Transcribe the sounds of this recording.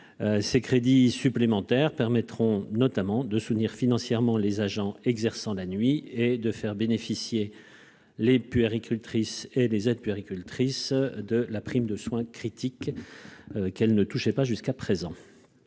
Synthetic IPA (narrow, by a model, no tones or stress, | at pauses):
sekχed̪isyplemɑ̃t̪ɛʁpɛʁmɛt̪χɔ̃nɔt̪amɑ̃d̪əsut̪niʁfinɑ̃sjɛʁmɑ̃lezaʒɑ̃ɛɡzɛʁsɑ̃lanɥied̪əfɛʁbenefisje | lepyeʁikʲʰylt̪χiselezɛd̪̚pyeʁikʲylt̪χisd̪əlapχimd̪əswɛ̃kχit̪ʰik | kɛlnət̪uʃɛpaʒyskapχezɑ̃